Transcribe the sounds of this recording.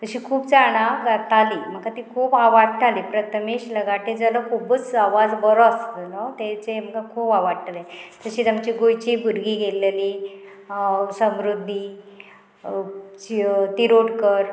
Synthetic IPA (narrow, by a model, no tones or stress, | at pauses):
t̪əɕiːkʰuːpt͡saɽ̃aɡat̪aliːm̤əkat̪iːkʰuːpaʋaɽʈ̪ʰalipɾət̪ʰəmeɕləɡaʈed͡zəlɔkʰubət͡saʋad͡zbəɾɔt͡slot̪et͡sem̤əkakʰuːpaʋaɽʈ̪alet̪əɕiːt̪amt͡ɕiːɡojt͡ɕiːbʱuɾɡiːɡeleliː | səmɾud̪ʱːi | it̪iɾoɽkəɾ